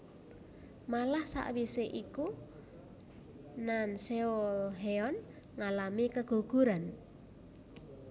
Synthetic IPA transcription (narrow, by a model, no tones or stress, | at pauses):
malahsa̰ʔwiseʔiku | nanseolɦeɔn | ŋalamikəɡ̥o̤ɡ̥ṳɾan